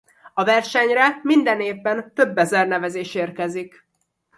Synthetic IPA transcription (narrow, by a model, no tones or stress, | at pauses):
ɒvɛrʃɛɲrɛmind̪ɛneːvːɛnt̪ø̞bːɛzɛrnɛvɛzeːʃeːrkɛzik